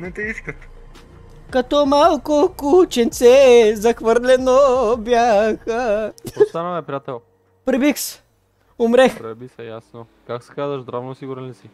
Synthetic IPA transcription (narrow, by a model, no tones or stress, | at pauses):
nɛt̪ɛiskət̪ | kɐt̪ɔmalˠkokut͡ʃɛnt̪sɛzɐxvəɾlɛnobjaxəost̪anəɛpɾijat̪ɛlˠ | pɾibiks | ʊmɾɛxpɾɛbisɛjasno | kaksɛ̥kazvɐʒd̪ɾavnosiɡuɾɛlisi